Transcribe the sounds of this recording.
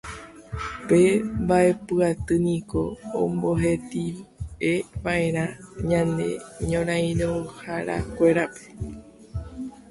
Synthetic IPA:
pe̞mbaʔe̞pɨat̪ɨnĩko̞̰ːmbo̞ɦet̪ieʋaʔẽ̞ɾ̃ãɲãnd̪ḛɲõɾ̃ãj̃ɾohaɾa̰kʷe̞ɾape̥

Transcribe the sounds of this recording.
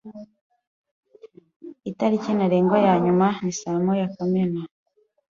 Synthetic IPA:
itaɾicinaɾeːŋɡwajaːɲumanisaːmojakomena

